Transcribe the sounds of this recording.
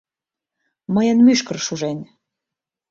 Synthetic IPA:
məjə̆nmyʃkə̆rʃuʒenʲ

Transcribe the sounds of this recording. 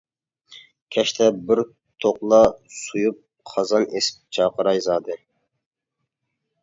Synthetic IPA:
kʲʰɛʃt̪ʰɛbɪɾ | t̪ʰoqlˠɑsujup̚ | qʰɑzɑnḛsɪ̥p̚t͡ʃʰɑqəɾɑjzɑːd̪ɨ

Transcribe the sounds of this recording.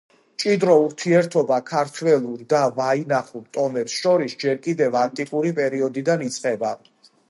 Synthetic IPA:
t͡ʃʼid̪ɾɔuɾt̪ʰiɛɾt̪ʰɔbakʰaɾt̪ʰwɛlˠuɾd̪avainaχuɾt̪ʼɔmɛpsʃɔɾisd͡ʒɛɾkʼid̪ɛvant̪ʼikʼuɾipʼɛɾiɔd̪id̪anit̪sʼqʼɛba

